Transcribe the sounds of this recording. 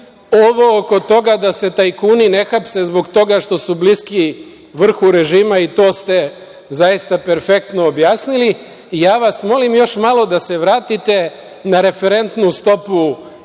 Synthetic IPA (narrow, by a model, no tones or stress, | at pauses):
o̞ʋo̞oko̞t̪o̞ɡad̪ase̞t̪ajkuːnine̞xapse̞zbo̞ɡt̪o̞ɡaʃt̪o̞subliski | ʋr̩xuɾe̞ʒiːmait̪o̞ːst̪e̞ | zajist̪ape̞ɾfe̞kt̪no̞ːbjaːsniliː | jaːʋasmo̞limjo̞ʃmalˠo̞d̪ase̞ʋɾaːt̪it̪e̞ | naɾe̞feɾe̞nt̪nust̪o̞pu